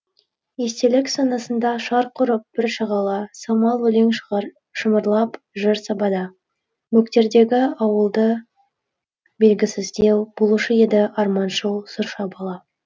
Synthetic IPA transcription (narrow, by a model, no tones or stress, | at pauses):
je̞st̪e̞lɪksɑnɑsənd̪ɑʃɑɾqʰʊɾəp̚b̥ɪɾʃəʁɑlˠɑsɑmɑlˠwɵleŋ | ʃəməɾlˠɑp | ʒɪɾsɑbɑd̪ɑ | mɵkt̪e̞ɾd̪e̞ɡʲɪɑwəlˠd̪ə | be̞lɡʲɪsɪzd̪e̞wb̥olˠuʃəje̞d̪ɪʔɑɾmɑnʃəwsʊɾʃɑbɑlˠɑ